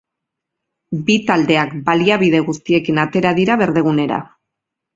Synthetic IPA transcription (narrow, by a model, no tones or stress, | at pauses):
bit̪ald̪e̞akbaliaβiðe̞ɣust̪ie̞kinat̪e̞ɾaðiɾaβe̞ɾðe̞ɣune̞ɾa̰